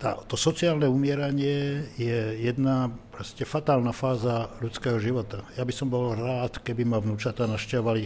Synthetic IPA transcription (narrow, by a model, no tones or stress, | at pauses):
t̪a̰t̪ɔsɔt͡siaːlnɛumɪɛɾaɲɪɛjɛjɛd̪napɾɔscɛfat̪aːlnafaːzalut͡skɛːɦɔʒiʋɔt̪ajabisɔmbɔlɾaːt̪kɛbimavnuːt͡ʃat̪anaʃcɛʋɔʋali